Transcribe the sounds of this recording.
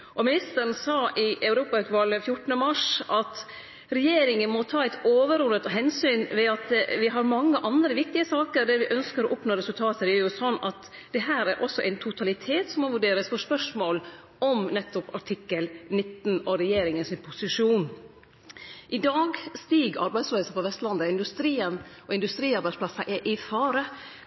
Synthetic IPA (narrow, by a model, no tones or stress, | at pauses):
ʔɔmɪnɪst̪əɾən̩sɑːʔɪʔɑʉɾuːpɑɑʉt̪ʋɑlːəfjʊʈːn̩əmɑʂʔɑt̪ | ɾɛjeːɾɪŋənmɔt̪ʰɑːæɪt̪oːʋəɾɔlət̪ɔɦɛnsyːnʋɛɑt̪ʋɪɦɑɾmɑŋːəʔɑnd̪ɾəʋɪk̚t̪ɪəsɑːkəɾd̪ɛʋɪʔœnskəɾɔʔʊpnoːɾɛsʉlt̪ʰɑːt̪əd̪ɛæɾjʊsɔnːɑt̪ | d̪̥ɛɦæːɾæɾʔɔsːɔʔæ̰ɪnt̪ʰʊt̪ʰɑlɪt̪ʰeːt̪sɔmːɔʋʉɖeːɾəsfɔʂpœʂmoːl | ʔɔmnɛt̪ːɔpɑʈʰɪkːəlnɪt̪ːnɔɾɛjeːɾɪŋənsɪnpʰʊsɪʂuːn | ʔɪd̪ɑːɡst̪iːɡɑ̰ɾbæɪd̪sløːsəpɔʋɛst̪lɑnd̪əɪnd̪ʉst̪ɾiːənɔɪnd̪ʉst̪ɾiːɑɾbæɪspʰlɑsːɑʔɛʔɪfɑːɾə